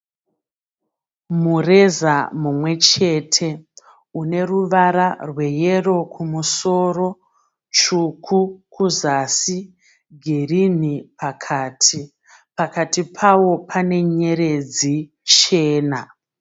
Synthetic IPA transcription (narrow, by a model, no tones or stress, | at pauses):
mure̞zamumwe̞t͡ʃe̞tʰe̞ | une̞ruʋaɾarwe̞jero̞kʰumuso̞ro̞ | t͡ʃukʰukuzasi | ɡʱerinipakʰaːtʰi | pakatipʰawo̞pʰane̞ɲe̞ɾe̞d͡zi | t͡ʃe̞ːna